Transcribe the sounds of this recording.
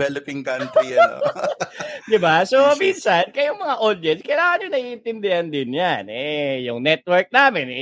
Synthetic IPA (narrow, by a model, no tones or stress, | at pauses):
ɛlopɪŋkɐnt̪iɐo̰ | d̪ɪbaso̞minsankɐjʊŋmɐŋaʔod̪jɛnskɐjlaːŋɐnɲonɐʔiːʔɪnt̪ɪnd̪ɪhɐnd̪ɪnjanʔɛjʊŋnɛt̪̚wɛɹk̚naːmɪn